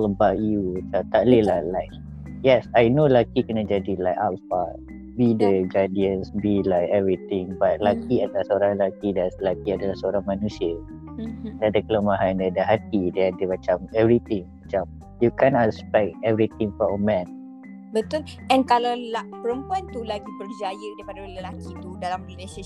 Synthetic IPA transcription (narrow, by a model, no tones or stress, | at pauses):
ɔləbawt̚jutat̪aʔlilahlajk̚ | jɛsajnolakikənãd͡ʒadilaɪkatfa | bidəɡadiənsbilajkɛvɾit̪ɪ̃ŋbat̚lakiadalahsəoɾãŋlakidaslakiadalahsəoɾaŋmanũsiə | dɛadakələmaɦandeadaɦat̪̚idɛadamat͡ʃamɛvɾit̪ɪ̃ŋmat͡ʃam | jukɛnɔʔɛspɛk̚tɛvɾit̪ĩŋfɔməmɛ̃n | bət̪ʊl | ɛ̃nkalawlapəɾəmpuant̪ulaɡibərd͡ʒajədaipadalakit̪udalamnilesa